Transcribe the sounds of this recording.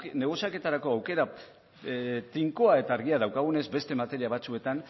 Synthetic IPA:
ne̞ɣosjake̞t̪aɾako̞awke̞ɾa | t̪iŋko̞ae̞t̪aːɾɣ̞iaðawkaɣ̞une̞zbe̞st̪e̞mat̪e̞ɾiaβ̞at͡sue̞t̪an

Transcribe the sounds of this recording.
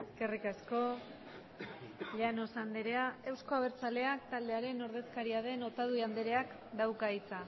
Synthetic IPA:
eske̞rikasko̞ | ʎano̞sand̪eɾe̞ae̞wsko̞aβ̞e̞ɾt͡sale̞akt̪ald̪e̞aɾe̞no̞ɾð̞e̞skaɾiað̞e̞no̞t̪að̞uiand̪eɾe̞ak | d̪awkait͡sa

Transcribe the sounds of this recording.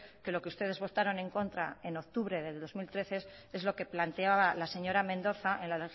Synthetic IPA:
ke̞lo̞keust̪e̞ðe̞zβo̞t̪aɾo̞nẽ̞ŋko̞nt̪ɾa̰e̞no̞kt̪uβɾe̞ðe̞lo̞zmilt̪ɾe̞θe̞s | e̞zlo̞ke̞plant̪eaβalase̞ɲo̞ɾamẽnd̪o̞θaʔẽnlale

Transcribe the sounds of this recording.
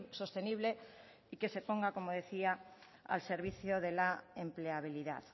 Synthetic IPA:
so̞st̪eniβ̞le | ike̞se̞poŋɡako̞moð̞e̞θia | a̰lseɾβiθjoðelaempleaβ̞iliða̰ð

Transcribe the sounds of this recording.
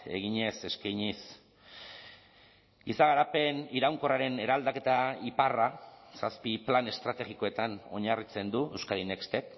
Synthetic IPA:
e̞̰ɣiɲe̞se̞skajɲis | ɡisaɣaɾape̞niɾawŋko̞raɾe̞ne̞ɾald̪ake̞t̪aiparasaspiplane̞st̪ɾat̪e̞ɣiko̞e̞t̪ano̞̰ɲarit͡se̞nd̪ue̞wskalinekst̪e̞k

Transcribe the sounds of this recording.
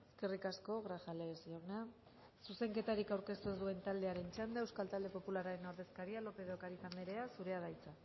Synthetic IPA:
eske̞rikasko̞ɣɾaxalesioɣna | suse̞ŋke̞t̪aɾikawɾke̞st̪uesðue̞nt̪ald̪e̞aɾe̞nt͡ʃand̪aewskalt̪ald̪e̞po̞pulaɾaɾe̞noɾðe̞skaɾialo̞pe̞ðokaɾisaneɾe̞asuɾe̞að̞ajt͡sa

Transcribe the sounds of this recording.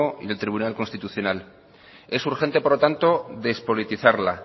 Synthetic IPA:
oḭðe̞lt̪ɾiβunalkonst̪it̪uθjo̞nal | e̞suɾxe̞nt̪epo̞ɾlot̪ant̪o̞ðe̞spo̞lit̪iθaɾla

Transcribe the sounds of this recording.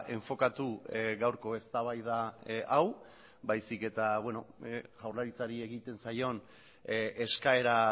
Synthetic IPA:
e̞ɱfo̞kat̪uɣawɾko̞e̞st̪aβ̞ajðaaw | bajsike̞t̪aβwe̞no̞ʝawɾlaɾit͡saɾie̞ɣit̪e̞nsajo̞n | e̞skae̞ɾa

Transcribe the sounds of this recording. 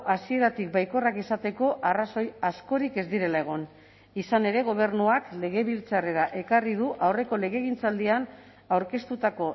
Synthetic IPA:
ʔasie̞ɾat̪ik̚bajko̞rakisat̪e̞ko̞ʔaraso̞jasko̞ɾike̞zd̪iɾe̞lae̞ɣ̞o̞n | isane̞ɾe̞ɣ̞o̞β̞e̞rnuakle̞ɣ̞e̞βilt͡sare̞ɾaʔe̞karið̞uʔawre̞ko̞le̞ɣ̞e̞ɣ̞int͡sald̪ian | awɾke̞st̪ut̪ako̞

